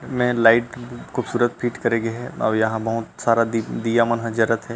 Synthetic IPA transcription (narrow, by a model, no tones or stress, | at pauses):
mɛ̃laːɪʈxuːbsuːɾət̪pʰiːʈkɐɾẽːɡeɦɛɔ̰ːɾjɐɦãbɐɦʊt̪saːɾad̪ijaːmənɦɐ̃d͡ʒəɾət̪ɦɛː